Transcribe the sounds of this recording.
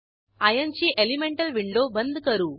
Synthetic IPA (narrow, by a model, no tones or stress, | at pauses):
ɐjɐnt͡ʃiʔelimeɳʈɐlʋiɳɖoːbɐnd̪ukɐɾu